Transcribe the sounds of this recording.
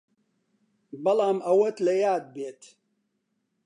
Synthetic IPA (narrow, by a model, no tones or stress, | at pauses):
bɐlɑːmɐwɐt̪lɐjaːd̪̚beːt̪ʰ